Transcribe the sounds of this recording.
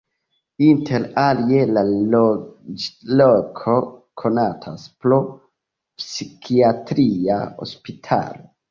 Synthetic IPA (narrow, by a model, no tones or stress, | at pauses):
intʰe̞ɾalie̞la | lokʰo̞kʰo̞natʰasplo | psikʰiatɾia̰o̞̰spitʰa̰lo